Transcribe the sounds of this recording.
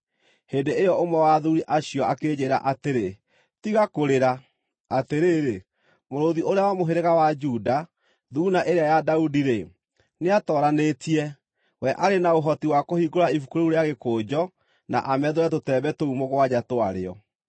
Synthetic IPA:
heːndeejɔomɛwaðuɾiʔaɕijɔakeːd͡ʑeɾa̰ʔateɾe | tiɣakoɾeɾa | ateɾeːɾe | moɾoðiʔoɾeawamoɦeɾeɣawad͡ʒuda | ðunaʔeɾeajadaudiɾe | neatɔːɾanetiɛ | wɛʔaɾenaoɦɔtiwakohiɡoɾaifukoɾouɾeaɣekoːd͡ʑɔ | na̰ʔamɛðoɾɛtotɛːbɛtoumoɣwad͡ʑatoaɾḛɔ̰

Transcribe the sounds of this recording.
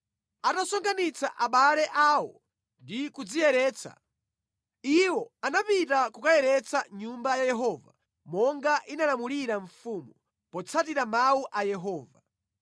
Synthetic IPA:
atasɔŋɡanit͡sa̰ʔaɓalɛʔaːwɔ | ndikud͡zijɛɾɛːt͡sʰa̰ | iwɔanapitakukajɛɾɛt͡sʰaɲumbajajɛɦɔːva̰ | mɔŋɡaʔinalamuliɾaɱfuːmu | pɔt͡sʰat̬iɾamauʔajɛɦɔːva

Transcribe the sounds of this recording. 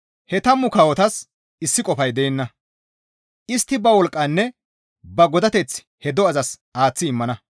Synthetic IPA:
hɛt̪ɐmːʊkɐwɔt̪ɐs | ɪsːɪkʼɔfɐjd̪eːnːɐ | ʔɪst̪ːɪbɐwɔlkʼːɐnːɛ | bɐɡɔd̪ɐt̪ɛt͡s | hɛd̪ɔɐzɐs | aːt͡sːɪːɪmːɐnɐ

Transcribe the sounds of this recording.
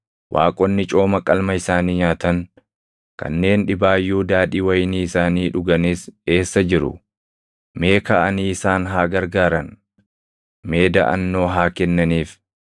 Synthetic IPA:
wʔa̰ːkʼɔnːɪt͡ʃʼo̞ːmɐkʼɐlmɐɪsaːniːɲaːt̪ɐŋ | kɐ̰nːe̞ːnᶑɪbaːjːuːd̪aːᶑiːwɐjɪniːɪsaːniːᶑʊɡɐniːse̞ːsːɐd͡ʒɪɾʊ̰ | me̞ːkɐʔɐniːɪsaːnɦaːɡɐɾɡaːɾɐn | me̞ːd̪ɐ̰ʔɐ̰nːo̞ːɦaːkɛnːɐniːf

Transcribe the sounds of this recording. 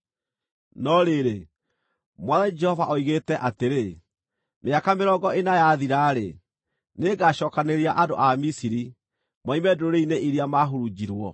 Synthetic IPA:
nɔɾeɾe | mwaðad͡ʒɛhɔvaʔoiɣeːtɛʔateɾe | meakameɾɔɡɔʔenajaðiɾaːɾḛ | neɡaɕɔːkaneɾiaʔado̰ʔamisiɾi | maimɛdoɾeineʔiɾiamaɦoɾud͡ʒiɾwɔ

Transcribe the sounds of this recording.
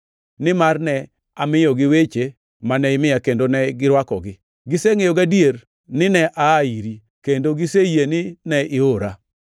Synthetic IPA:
nɪmarnɛ | amɪjɔɡɪwet͡ʃe | manɛɪmɪjakendonɛɡɪɾwakɔ̰ɡɪ | ɡɪseŋejoɡadier | nɪnɛʔaːiɾi | kendoɡɪsejenɪnɛɪoɾa

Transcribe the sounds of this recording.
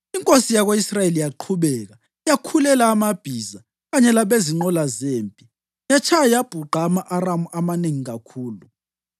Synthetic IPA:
iŋkʼosijaɣoisrajelijaǃʰuɓɛɣa | jakʰulɛlaːmab̥ʱiːza | ɣaɲɛlaɓeziŋ͡ǃɔlazeːmpʼi | jat͡ʃʰajajab̥ʱuǃamaʔaramuʔamaneŋiɣakʰuːlu

